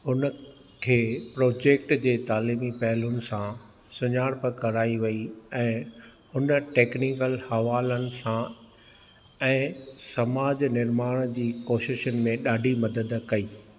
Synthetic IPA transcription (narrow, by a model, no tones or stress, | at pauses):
ɦʊnə | kʰeːpɾoːd͡ʑeːk̚ʈd͡ʑeːt̪aːliːmipɐɦɪlʊnɪ̆sã | sʊɲaːɽpɪkɐɾaːiʋɐiɛ̃ː | hʊnəʈeːknikəlhɐʋaːlənɪ̆sã | ɛ̃ːsɐmaːd͡ʑnɪɾmaːɽ̃d͡ʑiːkoːʃɪʃənɪ̆mẽɗaːɖʱimɐd̪əd̪kɐiː